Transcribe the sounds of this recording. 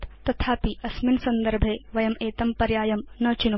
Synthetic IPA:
t̪t̪ɐt̪ʰaːpiɐsminsɐnd̪ɐɾbʱeːʋɐjɐmeːt̪ɐmpɐɾjaːjɐmnɐːt͡ʃinu

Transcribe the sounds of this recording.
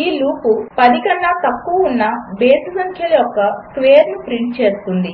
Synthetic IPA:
iːluːpupɐd̪ikɐnːaːt̪ɐkːuʋɐunːɐbeːsɐsɐŋkʰjɐlɐjɔkːɐskʋeːɾnupɾiɳʈ̚t͡ʃe̞ːst̪und̪i

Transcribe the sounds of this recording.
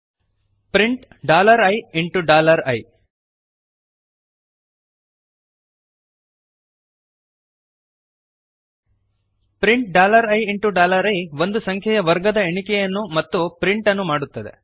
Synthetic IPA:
pɾiɳʈɖaːlɐɾɐjiɳʈuɖaːlɐɾɐj | pɾiɳʈ̚ɖaːlɐɾɐjiɳʈuɖaːlɐɾɐjʋo̞nd̪usɐŋkʰjɛjɐʋɐɾɡɐd̪ɐeɳikɛjɐnːumɐt̪ːupɾiɳʈɐnːumaːɽut̪ːɐd̪e̞̰

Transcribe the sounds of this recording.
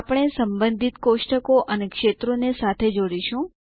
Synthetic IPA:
apɽ̃esəmbənd̪ʱit̪koʃʈəkoʔənekʃet̪ɾonesat̪ʰed͡ʒoɽiʃũ

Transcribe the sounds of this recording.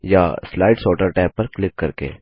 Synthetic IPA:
jaslaːɪɖsɔːʈəɾʈaːpːɐɾklɪkːɐɾkḛː

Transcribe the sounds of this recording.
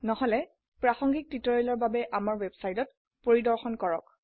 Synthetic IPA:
nɔɦɔlɛ | pɹaxɔŋɡik̚titɔɹɛlɔɹbabɛʔamaɹwɛbsajtɔt̚ | poɹidɔɹxɔnkɔɹɔk̚

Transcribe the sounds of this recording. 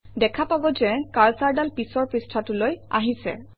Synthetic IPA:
dɛkʰapabɔzɛkaɹsaɹdalpisɔɹpɹistʰatʊloja̰ɦisɛ̰

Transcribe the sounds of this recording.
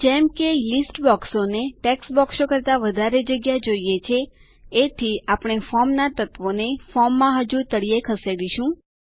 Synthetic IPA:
d͡ʒɛmkelisʈbɔksoneʈeksbɔksokəɾt̪aʋəd̪ʱaɾed͡ʒəɡjad͡ʒoijet͡ʃʰeː | t̪ʰiapɽ̃efɔmnat̪ət̪ʋonefɔmːãɦəd͡ʒũt̪əɽijekʰəseɽiʃũ

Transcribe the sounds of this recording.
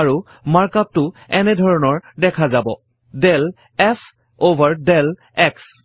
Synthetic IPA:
ɹu | maɹkap̚tʊɛnɛdʱɔɹɔnɔɹdɛkʰazabɔ̰ | dɛl | ɛfʰ | obʱaɹdɛl | ɛks

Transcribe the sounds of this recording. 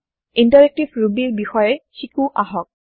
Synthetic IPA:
intaɹek̚tibʱɹubiɹbixɔjɛxikuʔaɦɔk̚

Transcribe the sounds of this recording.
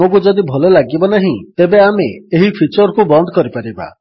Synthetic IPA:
ok̬ud͡ʒɔd̪ibʱɔlolaɡibɔnaɦĩt̪ebeameeɦipʰit͡ʃɔɾkubɔnd̪ʱɔkɔɾipaɾiba̰

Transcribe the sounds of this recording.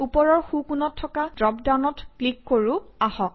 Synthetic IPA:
upɔɹɔɹxukunɔtʰːɔkadɹɔpdanɔtklikːoɹuahɔk̚

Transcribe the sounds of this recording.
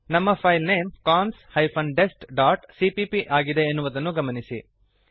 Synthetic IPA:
nɐmːɐpʰɐjlneːmkaːnshɐjpʰɐɳɖesʈɖaːʈsipipiʔaːɡid̪e̞ːnːuʋɐd̪ɐnːuɡɐmɐnisi

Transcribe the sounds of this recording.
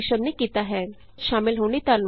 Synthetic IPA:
ʃəbnekit̪aɦɛ | ʃaːmɪlɦoːnit̪aɾn

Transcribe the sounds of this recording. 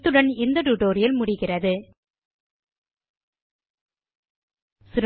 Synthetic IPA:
t̪ːɯɽɐnɪnd̪ɐʈuʈoːɾɪjɐlmʊɽɪɣɪrɐðɯ | sɪɾ

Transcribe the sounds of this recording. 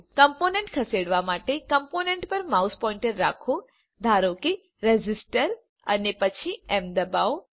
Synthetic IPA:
kəmponeɳʈkʰəseɽʋamaʈekəmponeɳʈpəɾmauspɔĩɳʈəɾːakʰo | d̪ʱaɾoke | ɾed͡ʒisʈəɾ | ə̰nepət͡ʃʰiemd̪əbao

